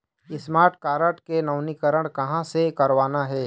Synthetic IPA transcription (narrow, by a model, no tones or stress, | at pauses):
ɪsmaːɾʈkaːɾəʈkenɐʊnikəɾəɽ̃kɐɦãsekɐɾʋaːnaɦɛː